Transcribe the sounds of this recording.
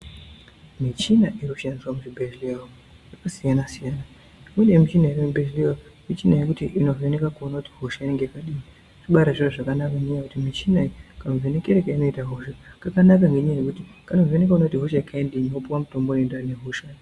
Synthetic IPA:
mit͡ʃinaʔiɾiku̥ʃandiswamuʐibʱeʒlia | jakasijanasijana | mwenemit͡ʃinaiɾimibeʒliamit͡ʃinajekutiʔinovenekakuonakuti̥ɦoʃaineŋɡekaɗii | ʐiɓaɾaʐiroʐakanakaŋɡeɲajakutimit͡ʃinakanovene̞keɾekaino̞itaɦoʃakakanakaŋɡeɲajekutikano̞venekaonakutiɦoʃakaendeɲopuwamuto̞mbonendaneɦoʃa

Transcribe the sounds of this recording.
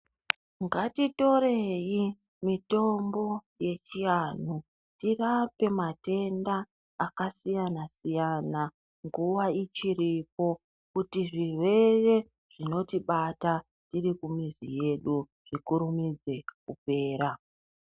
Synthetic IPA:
ŋɡatito̞ɾe̞ji | mito̞mbo̞ | je̞t͡ʃijan̤u | tirape̞mate̞ndaː | kasijanasijana | ŋɡuwait͡ʃiɾipo̞ | kutiʐiwe̞re̞ | ʐ̥ino̞tiɓata | tiɾikumizḭje̞ɗu | ʐ̥ikuɾumid͡ze̞kupe̞ːɾa

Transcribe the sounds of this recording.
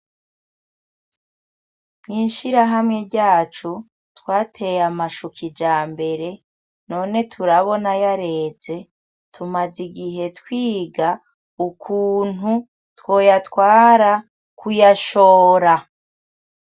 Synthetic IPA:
mŋiːnʃiɾaɦamŋe̞ɟaːt͡ʃu | twaːtʰe̞jamaʃukʰid͡ʒaːmbe̞ɾe̞ | no̞ːne̞tʰuɾaβo̞najaɾe̞ːze̞ | tʰumaziɡiɦe̞twiːɡa | ukʰuːnu | two̞ːjatwaːɾa | kʰujaʃoːɾa

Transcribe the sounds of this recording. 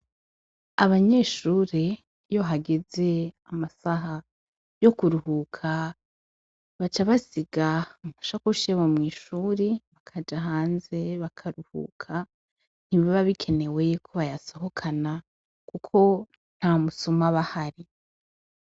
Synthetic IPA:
aβaɲe̞ːʃuːɾe̞ | jo̞ɦaɡe̞ze̞amasaɦa | jo̞kuɾuhukʰa | βat͡ʃaβasiɡamuʃakuʃeβomŋiːʃuːɾeβakʰad͡ʒaɦaːnze̞βakʰaɾuhṵːkʰa | n̥iβaβaβikʰe̞ne̞we̞kʰoβajaso̞ɦo̞kʰana | kukʰo̞ | n̥hamusomaβahaɾi

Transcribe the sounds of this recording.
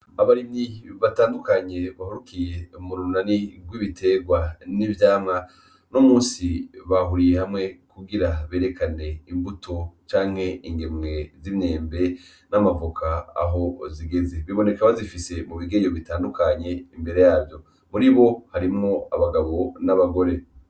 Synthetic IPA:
aβaɾimiβataːndukaɲe̞βahuɾukʰije̞muɾunaniɡwiːβitʰe̞ɡwanivjaːmŋa | nomuːnsiβaɦuɾijehamŋe̞kuɡiɾaβe̞ːɾe̞kane̞imbutʰot͡ʃaːŋ̥he̞iŋɡemŋe̞zimɲe̞ːmbe̞ | namavukʰa̰ːɦo̞ziɡe̞ze̞βiβo̞ne̞kaβazifise̞muβiɡeɲoβitaːndukaɲe̞imbe̞ɾe̞jaːvjo̞ | muɾiβo̞haɾimŋo̞a̰βaɡaβo̞naβaɡo̞ɾe̞

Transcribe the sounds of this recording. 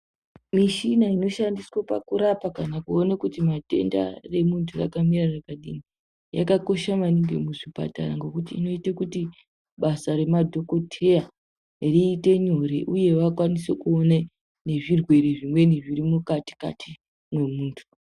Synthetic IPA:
miʃinaino̞ʃandiswapa̰kuɾapakanakuo̞nakutimate̞̰nda̰re̞muntʰura̰kamirarakaɗḭni | ja̰kako̞ʃamaniŋɡe̞̰muʐipa̰ta̰ɾaŋɡe̞kutḭːno̞itekuti | ɓasaɾe̞madʱoko̞tʰe̞a | riːte̞ɲo̞ɾeʔuje̞ʋakwanisekuone | ne̞ʐirwe̞ɾeʐimwe̞niʐiɾimukati̥ka̰tʰi | mwe̞muːntʰu̥

